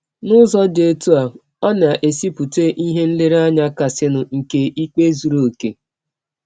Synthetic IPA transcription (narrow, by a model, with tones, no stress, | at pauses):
nʊ˦zɔ˦de˦tu˦a˨ | ɔ˦n˨a˨ʔe˨si˦pu˨te˦ʔi˦ɦe˦n̩˦lɪ˦ɾa˦ɲa˦ka˨sɪ˦nʊ˨ŋ̩˨ke˦ʔi˦k͡pe˦zu˨ɾo˨ke˨